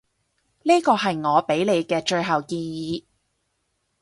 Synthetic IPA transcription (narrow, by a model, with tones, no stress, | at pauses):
niː˥kɔː˧ɦɐ˨jŋɔː˨˧pe˨˥jle˨˧jkɛː˧t͡ʃɵ˧ɥɦɐ˨wkiː˧jiː˨˧